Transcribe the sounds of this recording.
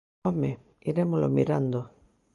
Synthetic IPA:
ome | iɾemolo̰miɾand̪o

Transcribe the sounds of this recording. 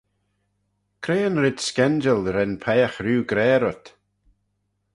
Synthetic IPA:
kʰɾeːənɾɪd̪skɛnd͡ʒəlɾɛnpʰɛːxɾuːɡɾɛːɾɔt̪

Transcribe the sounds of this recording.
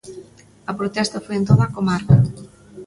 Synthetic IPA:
ɐpɾot̪ɛst̪ɐfojent̪oðɐakomaɾkɐ

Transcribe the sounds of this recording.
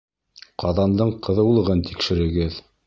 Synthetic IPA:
qʰɑðɑnd̪ɤɴqɤ̆ðɤulˠɤ̆ʁɤnt̪ikʃɘ̆ɾɘ̆ɡɘð

